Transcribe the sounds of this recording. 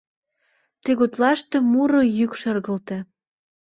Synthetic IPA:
t̪eɣot̪lɑʃt̪ĕmuɾojykʃərɣə̆lt̪ĕ

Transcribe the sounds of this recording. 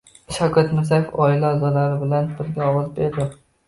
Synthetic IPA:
ʃawkʲʰat̪mɪɾzajefɒɪlaːzɒlaɾɪbɪlanbɪɾɡʲaɒwɒzbeɾd̪ɪ

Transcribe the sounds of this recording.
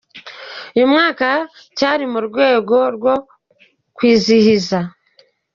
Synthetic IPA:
jomŋaːka | caːɾimuɾɡwe̞ːɡo̞ɾwo̞ | kwiːzihiza

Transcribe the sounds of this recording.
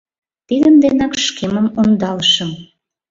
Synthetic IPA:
t̪id̪əmd̪enɑkʃkeməmond̪ɑlʃə̆m

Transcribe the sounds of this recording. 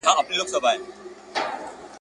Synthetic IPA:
ãɐpniloksəbʱaːe

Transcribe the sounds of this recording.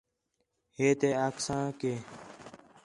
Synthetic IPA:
heːt̪eaːksãːkeː

